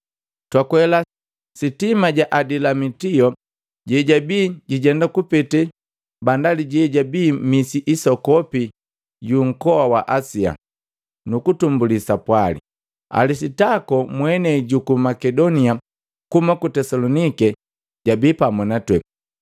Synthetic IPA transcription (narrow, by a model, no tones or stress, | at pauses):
twakwɛla | sitimaɟaʔadilamitiɔ | ɟɛɟabiːɟiɟɛndakupɛtɛ | bandaliɟɛɟabiːmisiʔisɔkɔpi | ɟuŋ̩kɔawaʔasia̰ | nukutumbulisapwalḭ | a̰lisitakɔmwɛnɛɟukumakɛdɔnia | kumakutɛsalɔnikɛ | ɟabiːpamɔnatwɛ